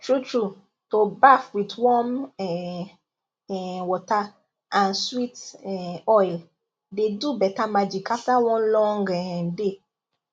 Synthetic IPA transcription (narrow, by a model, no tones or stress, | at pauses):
tʰɹutʰɹu | tobafwidwɔ̃mɛ | wɔta | ʔãnswitɛɔjl | dedubɛtamad͡ʒikʰaftawɔ̃nlɔ̃ŋɡɛde